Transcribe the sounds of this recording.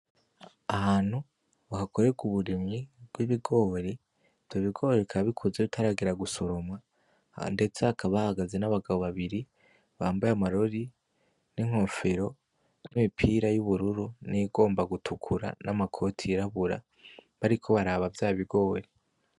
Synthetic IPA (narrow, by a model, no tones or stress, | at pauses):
ahaːn̥hu | βahako̞ɾe̞ɡuβuɾimŋibɡwiβiɡo̞ːɾi | v̥joβiɡo̞ːɾeikʰaβikʰozeβitʰaɾaɡeɾaɡuso̞ɾo̞mwa | nde̞t͡seakʰaβahaɡaze̞naβaɡaβo̞βaβiɾi | βaːmbajamaɾo̞ɾi | niŋ̥hoːɱfeɾo̞ | nimipʰiːɾajuβuɾuɾuniːɡo̞ːmbaɡutʰukʰuɾa̰namakʰo̞tʰiɾaβuɾa̰ | βaɾikʰo̞βaɾaβavjaːβiɡo̞ːɾe